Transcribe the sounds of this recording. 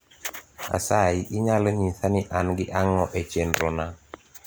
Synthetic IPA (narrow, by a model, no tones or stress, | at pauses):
a̰saiʔɪɲalɛɲiθanɪʔanɡɪʔaŋɔʔet͡ʃendɾɔna